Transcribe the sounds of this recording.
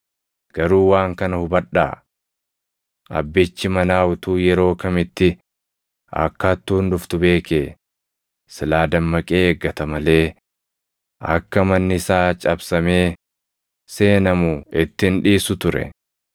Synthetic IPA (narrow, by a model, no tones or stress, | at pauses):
ɡ̥ɐɾuːwaːŋkɐnɐhʊbɐᶑa̰ː | ʔɐ̰bːɪt͡ʃːɪmɐnaːʊt̪uːjɛɾo̞ːkɐmɪt̪ːɪ | ɐ̰kːɐt̪ːuːndʊft̪ʊbe̞ːkeː | sɪlaːd̪ɐmːɐkʼeːɡːɐt̪ɐmɐle̞ː | ɐ̰kːɐmɐnːɪɪsaːt͡ʃʼɐbsɐme̞ː | se̞ːnɐmʊɪt̪ːɪnᶑiːsʊt̪ʊɾɛ̰